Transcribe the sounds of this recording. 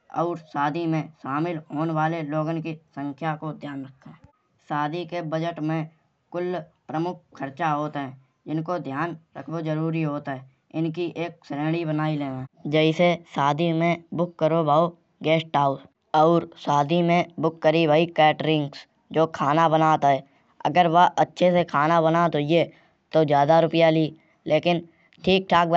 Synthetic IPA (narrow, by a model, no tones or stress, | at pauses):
ɔ̰ːɾsaːd̪imẽʃaːmɪlɦoːnwaːleloːɡənkisə̃ŋkʰjakod̪ʱjaːnɾəkʰːaɛ | saːd̪ikebəd͡ʒəʈmẽ | kʊlpɾəmʊk̚ʰkʰːəɾt͡ʃaɦoːt̪ɦɛ̃ː | d͡ʒɪnkod̪ʱjaːnɾə̰kʰbozəɾuːɾiɦoːt̪ɦɛː | ɪnkiʔeːk̚sɾẽːɽibənaːileːãːd͡ʒɛɪsesaːd̪ʱimẽbʊkːəɾobʱaːo | ɡɛːsʈaːʊs | ɔːɾsaːd̪ʱimẽbʊkːəɾiʋəːikɛːʈɾɪ̃ŋɡs | d͡ʒoːkʰaːnabənaːt̪ɦɛː | ə̰ɡəɾʋəʔətːʃʰesekʰaːnabənat̪oie | t̪ozjaːd̪aɾʊpjaliː | lʔeːkɪn | ʈʰiːk̚ʈʰaːk̚